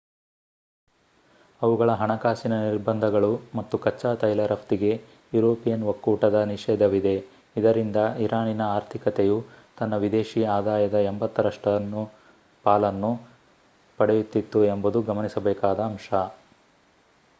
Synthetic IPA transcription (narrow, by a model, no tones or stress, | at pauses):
ɐʋuɡɐɭɐɦɐɳɐkaːsinɐniɾbɐnd̪ʱɐɡɐɭumɐt̪ːukɐt͡ʃːaːt̪ɐjlɐɾɐft̪iɡe̞ | juɾoːpijɐnʋɐkːuːʈɐd̪ɐniʂɛːd̪ʱɐʋid̪e̞ | id̪ɐɾind̪ɐiɾaːninɐaːɾt̪ʰikɐt̪ejut̪ɐnːɐʋid̪eːʃiaːd̪aːjɐd̪ɐembɐt̪ːɐɾɐʂʈɐnːu | paːlɐnːu | pɐɽejut̪ːit̪ːuembud̪uɡɐmɐnisɐbɛːkaːd̪ɐːmʂɐ